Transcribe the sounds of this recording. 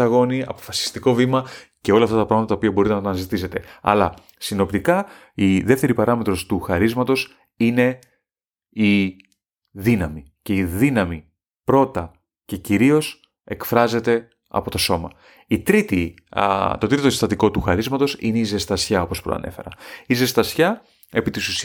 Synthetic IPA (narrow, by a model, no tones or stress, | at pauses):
ɐɣo̞niɐ̰po̞̥fɐsi̥st̪iko̞vimɐce̞o̞lɐft̪ɐt̪ɐpɾɐɣmɐt̪ɐt̪ɐopiɐbo̞ɾit̪enɐt̪ɐnɐzit̪ise̞t̪e̞ɐ̰lɐ̰ | sino̞pt̪ikɐ | iðe̞ft̪e̞ɾipɐɾɐme̞t̪ɾo̞st̪uxɐɾizmɐt̪o̞s | ine̞ | i | ðinɐmi | ce̞iðinɐmi | pɾo̞t̪ɐ | ce̞ciɾio̞s | e̞kfɾɐze̞t̪e̞ | ɐ̰po̞t̪oso̞mɐ | it̪ɾit̪i | t̪o̞t̪ɾit̪ost̪ɐt̪iko̞t̪uxɐɾizmɐt̪o̞sḭne̞ize̞st̪ɐsçɐo̞po̞spɾoɐ̰nʔe̞̰fe̞̰ɾɐ̰ize̞st̪ɐsçɐ | e̞pit̪isus